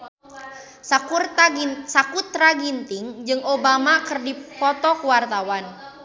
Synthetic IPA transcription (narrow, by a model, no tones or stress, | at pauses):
sakrsakut̪ɾaɡint̪ɪŋd͡ʒɨŋobamakərdipɔt̪ɔkuwart̪awan